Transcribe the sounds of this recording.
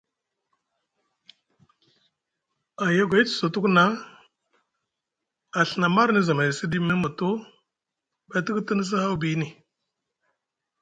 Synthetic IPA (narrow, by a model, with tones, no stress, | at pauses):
a˨ja˦ɡʷa˨˦i˦t͡sə̥˨so˨tu˦kna˦ | a˨ɬə˨na˨ma˦ɾni˦za˨ma˨i˨si˦di˦mi˦n˦mu˨tu˦ | ba˨ti˦ktə˦ni˦s̬ə˦ha˦wbi˦ni˨